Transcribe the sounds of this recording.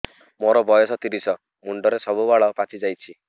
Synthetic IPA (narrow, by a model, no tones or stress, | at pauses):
moɾɔbɔjɔsɔt̪iɾisɔ | muɳɖɔɾesɔbubaɭɔpat͡ʃʰid͡ʒajt͡ʃʰi